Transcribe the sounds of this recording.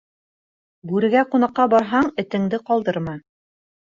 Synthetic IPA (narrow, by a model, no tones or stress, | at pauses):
bʉɾɘ̆ɡæqunɑqːɑbɑɾɦɑɴɘ̆t̪ɘ̆ŋd̪ɘqɑlˠd̪ɤɾmɑ